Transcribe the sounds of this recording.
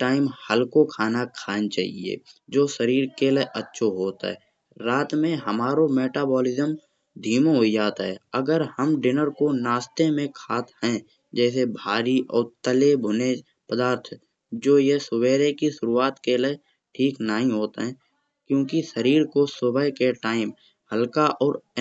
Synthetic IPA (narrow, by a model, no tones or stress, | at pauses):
ʈaːɪmhəlkokʰaːnakʰaːnt͡ʃa̰ːɦḭḛd͡ʒoːʃəɾiːɾkeleʔətːʃʰoɦoːt̪ɦɛ̰ː | ɾaːt̪mẽɦəmaːɾomeːʈaːbɔːlɪzəm | d̪ʱiːmoɦoid͡ʒaːt̪ɦɛ̰ːəɡəɾhəmɖɪnəɾkonaːst̪emẽkʰaːt̪ɦɛ̃ | d͡ʒɛːs̬ebʱaːɾiʔɔːɾt̪əlebʱʊne | pəd̪aːɾt̪ʰ | d͡ʒoːjesʊweːɾekiʃʊɾuaːt̪kele | ʈʰiːknaɦĩɦoːt̪ɦɛ̃ | kjõːkiʃəɾiːɾkosʊbəkeʈaːɪm | həlkaʔɔːɾ